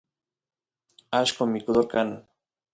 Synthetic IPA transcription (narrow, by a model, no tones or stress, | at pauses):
aʃkomikuðoɾkanu